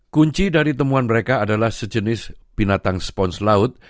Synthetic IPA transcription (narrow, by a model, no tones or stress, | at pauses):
kuɲt͡ʃidaɾit̪əmuanməɾekaːdalahsəd͡ʒənɪsb̥inat̪aŋspɔnslaʊt̪̚